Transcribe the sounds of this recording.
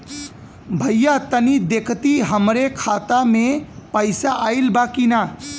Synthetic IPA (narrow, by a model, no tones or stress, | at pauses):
bʱəjjat̪ənid̪ekʰt̪iɦəmɾekʰat̪amẽpəɪsaʔailbakina